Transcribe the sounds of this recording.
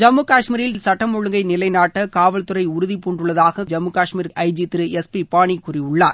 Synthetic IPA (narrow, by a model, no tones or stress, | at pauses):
d͡ʒɐmːɯkaːʂmiːɾɪllsɐʈːɐmɔɻɯŋɡɐɪnɪlɐɪnaːʈːɐkaːʋɐlt̪ɯɾɐɪʊɾʊðipuːɳɖɯɭːɐðaːɣɐd͡ʒɐmːɯkaːʂmiːɾɐɪd͡ʒit̪ɪɾɯɛspipaːɳikʊːrɪʊɭːaːɾ